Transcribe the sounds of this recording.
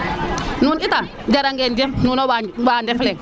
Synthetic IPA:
nunitaŋ | d͡ʒaɾaŋɡɛnd͡ʒɛmnunɔwabaːndɛflɛŋ

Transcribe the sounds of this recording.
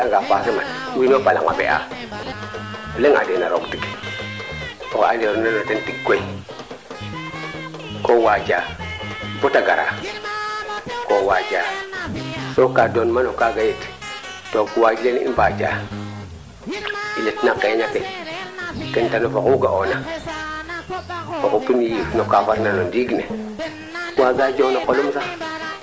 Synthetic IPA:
aŋɡapasimatwinopala̰ŋa̰bḛʔa̰ | uleŋa̰denaɾoktik | oka̰neɾnanotentiɡkːoi | kowad͡ʒa | botaɡaɾa̰ | kowad͡ʒa | sokadonmanokaɡajet | tokuwad͡ʒilenḭmbad͡ʒa̰ | iletnakeɲake | kentanofakuɡaʔona | okupinjifnokafaɾnalodiɡnḛ | waɡad͡ʒonokolumsa

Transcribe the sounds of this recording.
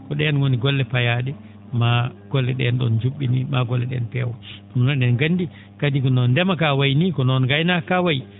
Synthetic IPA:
kɔɗɛnwoniɡɔlːɛpajaɗɛ | maɡ̥ɔlːɛɗɛ̰nɗɔ̰nd͡ʒuɓːinimaɡɔlːɛɗɛ̰npɛwɔɔnɔnaɗɛnɡanːdi | kadikɔnɔndɛmakawajnikɔnɔnɡajnakawaji

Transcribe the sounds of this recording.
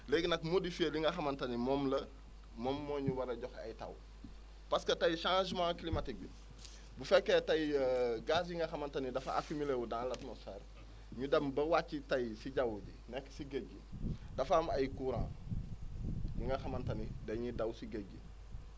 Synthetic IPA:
leɡnɐkmodifieliŋɡɐxɐmɐntɐnimɔːmlɐ | mɔmːɔːɲuwɐɾɐɟɔxɐ̰jtɐ̰w | pɐskɐtɐjʃãːʒmãːkilimatik̚bi | bufɛkːetɐjɡas̬jiŋɡɐxɐmɐntɐnidɐfɐa̰fimilewudãːlɐtmɔsfeːr | ɲudɐmbɐwat͡ʃːitɐjsiɟɐwuɟḭnɛkːsiɡeɟːidɐfamɐjkuɾã̰ː | liŋɡɐxɐmɐntɐnidɐɲidɐwsiɡeɟḭ

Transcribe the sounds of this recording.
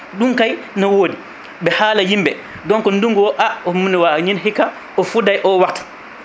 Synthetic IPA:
ɗuŋkaj | nɔwoːdi | ɓɛhaːlajimbɛ | dɔŋkɔnduŋɡɔʔaɔmunɛwaɲinɦikːa | ʔɔfudajʔɔwatːḁ

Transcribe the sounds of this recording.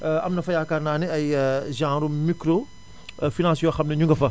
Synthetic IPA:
ʔɐmnɐfɐjaːkaɾnaːniɐjʒãːɾumikɾo | finãːsjoxɐmnɐɲuŋɡɐfɐ

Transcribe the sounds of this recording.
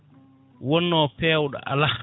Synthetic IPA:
wɔnːɔːpɛːwɗɔ̰ʔa̰la

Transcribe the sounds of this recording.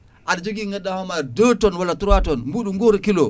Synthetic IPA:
ʔaɗad͡ʒoɡiŋɡaɗːahɔmadətɔnwalatuɾwatɔnmbuɗuŋɡoɾkilo

